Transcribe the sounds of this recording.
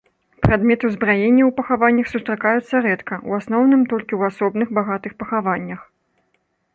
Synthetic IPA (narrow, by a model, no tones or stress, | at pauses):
pɾad̪mʲɛt̪ɨwzbɾajenʲːɐwpɐxavanʲːɐxsust̪ɾakajut̪sːɐɾɛt̪kɐʔuasn̪ɔwnɨmt̪ɔlʲkʲiwasɔbn̪ɨxbaɣat̪ɨxpɐxavanʲːɐx